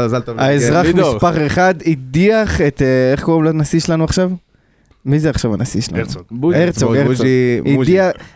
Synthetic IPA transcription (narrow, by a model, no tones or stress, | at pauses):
zalt̪aaezʁamispaχeχad̪idiaχet̪e̞χkoʁemlanasiʃelanuaχʃav | mizeaχʃavanasiʃela̰nueʁt͡soɡeʁidia